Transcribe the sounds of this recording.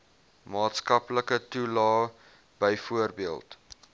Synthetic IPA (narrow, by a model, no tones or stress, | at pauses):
mɑːtskɐpləkətulɑː | b̥əjfuərbiəlˠt